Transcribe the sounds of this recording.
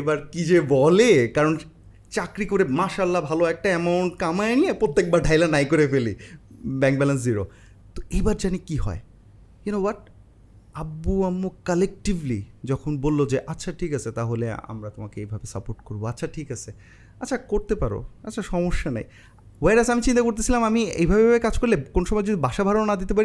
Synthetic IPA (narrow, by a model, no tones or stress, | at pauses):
ebaɾkid͡ʑebɔlekaɾon | t͡ɕakɾikoɾemaʃalːabʱaloɛk̚ʈaɛmawɳʈkamaenijepɾot̪ːek̚baɾɖʱajlanajkoɾefelibɛŋk̚bɛlens̬ziɾo | t̪oejbaɾd͡ʑanikiɦɔ̰e | jnobaʈ̚ | abuamːokalek̚ʈivlid͡ʑɔkʰonbolːod͡ʑeʔatːɕʰaʈʰikat͡ɕʰet̪aɦolea̰mɾat̪omakeejbʱabesapoɾʈkoɾboatːɕʰaʈʰikat͡ɕʰe | atːɕʰakoɾt̪epaɾo̰atːɕʰaʃɔmoʃːana̰j | weɾasamit͡ɕint̪akoɾt̪̬et͡ɕʰilamamiḛjbʱabeabekad͡ʑkoɾlekonoʃɔmɔed͡ʑod̪ʱibaʃabʱaɾonad̪it̪ep̬aɾi